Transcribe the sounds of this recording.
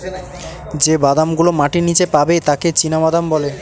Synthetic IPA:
d͡ʑebad̪amɡulomaʈinit͡ɕepabet̪aket͡ɕinabad̪ambɔle

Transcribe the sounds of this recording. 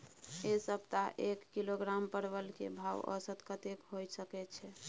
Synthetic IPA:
esəb̚t̪aʔekːiloɡɾampəɾbəlkebʱawə̰sət̪kət̪ekɦojsəkɛt͡ʃʰɛ

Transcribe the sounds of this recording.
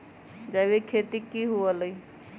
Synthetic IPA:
d͡ʒaʋekʰeːt̪ikiɦuələi

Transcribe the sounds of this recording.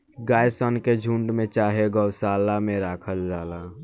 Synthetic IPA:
ɡaːjsənked͡ʒʱuːɳɖmẽt͡ʃaːɦeɡəʊsaːlamẽɾaːkʰəld͡ʒaːlaː

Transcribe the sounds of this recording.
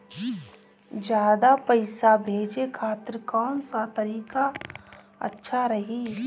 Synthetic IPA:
d͡ʒjaːd̪apəɪsabʱeːd͡ʒekʰaːt̪ɾkɔːnsat̪ɐɾiːka | ə̰tːʃʰaɾɐɦiː

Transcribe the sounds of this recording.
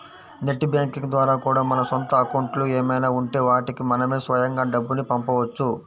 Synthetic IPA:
ne̞ʈːibjaːŋkiŋd̪ʋaːɾaːkuːɽaːmɐnɐsont̪ɐːkɐwuɳʈlueːmɐjnaːuɳʈe̞ːʋaːʈikimɐnɐme̞ːsʋɐjɐŋɡaːɖɐbːunipɐmpɐʋɐt͡ʃːu

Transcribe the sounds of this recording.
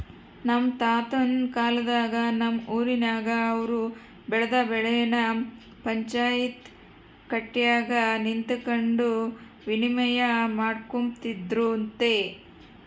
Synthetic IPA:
nɐmt̪aːt̪ɐnkaːlɐd̪aːɡɐnɐmuːɾinaːɡɐːʋɐɾu | bɛɭɐd̪ɐbɛɭɛjɐnɐ | pɐɲt͡ʃaːjit̪ | kɐʈːijaːɡɐnint̪ukɐɳɖu | ʋinimɐjɐmaːɽkomt̪id̪ɾunt̪e

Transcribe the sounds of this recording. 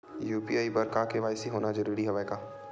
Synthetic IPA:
juːpiaːibɐɾkaːkeʋaːjsiɦoːnad͡ʒɐɾuːɾiɦɛʋaekaː

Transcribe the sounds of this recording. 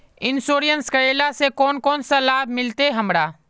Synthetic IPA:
ɪnsoːɾijənskəeːlasekɔːnkɔːnsalaːbʱmɪlt̪eɦɐmɾaː

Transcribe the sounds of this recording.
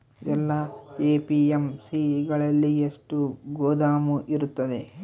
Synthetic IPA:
ɛlːɐeːpiemsiɡɐɭɐlːieʂʈuɡoːd̪aːmuʔiɾut̪ːɐd̪e

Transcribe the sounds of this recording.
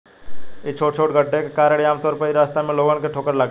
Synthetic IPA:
et͡ʃʰoːʈt͡ʃʰoːʈɡʱəʈːekekaːɾeɽaːmt̪ɔːɾpəiɾaːst̪amẽloːɡənkeʈʰoːkəɾlaɡ

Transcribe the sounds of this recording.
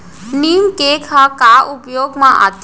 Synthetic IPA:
nimkekʰakaʔupjoːɡmãʔa̰t̪

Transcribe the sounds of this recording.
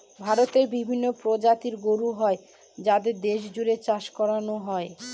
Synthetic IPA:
bʱaɾot̪eɾbibʱinːopɾod͡ʑat̪iɾɡoɾuɦɔe | d͡ʑad̪eɾd̪eʃ̬d͡ʑuɾet͡ɕaʃkɔɾanoɦɔe

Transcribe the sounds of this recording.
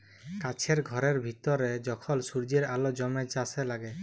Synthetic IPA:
kat͡ʃʰeɾɡʱɔɾeɾbʱit̪ɔɾed͡ʒɔkʰɔlsuɾd͡ʒeɾalɔd͡ʒɔmet͡ʃaselaɡe

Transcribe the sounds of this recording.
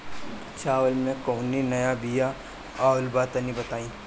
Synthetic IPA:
ɐt͡ʃʰaːʋəlmẽkoːninɐjabija | aːwlbaːt̪ɐnibɐt̪aːĩː

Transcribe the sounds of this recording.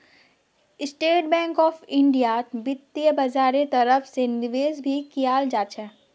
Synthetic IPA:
ɪsʈeːʈ̚bɛ̃ːŋkɔːfɪ̃ɳɖijabɪt̪ːijəbɐzaːɾet̪ɐɾəfsenɪʋeːzbʱikijaːld͡ʒaːt͡ʃɛː

